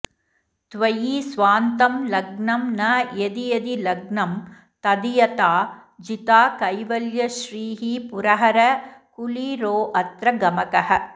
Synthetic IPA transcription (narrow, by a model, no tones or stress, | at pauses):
t̪ʋɐjiːsʋaːnt̪ɐmlɐɡɳɐmnɐjed̪ijɐd̪ilɐɡɳɐm | t̪ɐd̪ijɐt̪aːd͡ʒit̪aːkɐjʋɐljɐʃɾiːɦipuɾɐɦɐɾɐkuliːɾoːʔɐt̪ɾɐɡɐmɐkɐɦɐ̆